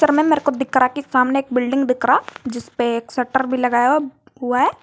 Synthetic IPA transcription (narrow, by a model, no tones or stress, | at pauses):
əɾmẽmeːɾekod̪ɪkɾakesaːmneːk̚bɪlɖɪ̃ŋɡd̪ɪkɾad͡ʒɪspeːksɛʈːəɾbʱilɐɡaːja | ɦʊaɦɛː